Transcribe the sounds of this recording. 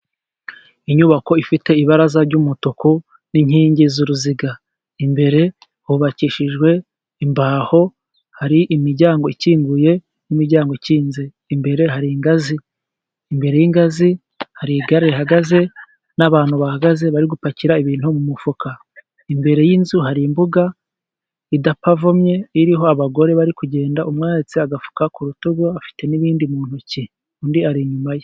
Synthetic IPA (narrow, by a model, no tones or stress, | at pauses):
iɲuβako̞ifite̞iβaɾazaɾɟumutoku | niɲhiːɲɟizuɾuziɡa | imbe̞ɾe̞ | huβaciʃiʒɡwe̞ | imbaːho̞ | haɾiʔimiɾɟaːŋɡo̞iciːŋɡuje̞ | jimiɾɟaːŋɡoiciːnze | imbe̞ɾe̞ɦaɾiːŋɡaziː | mbe̞ɾe̞jiŋɡazi | haɾiɡaɾeiɦaɡaze̞ | naβaːn̥huβahaɡaze̞βaɾiɡupaciɾaiβiːn̥humumufukʰa | imbe̞ɾe̞jinzuɦaɾimbuɡa | idapavomɲe̞iɾiɦo̞aβaɡo̞ɾe̞βaɾikuɟe̞ːndaʔumŋaːɾit͡siaɡafu̥kakuɾutuɡoafi̥te̞niβiːndimuːn̥huci | undiaɾiɲumaje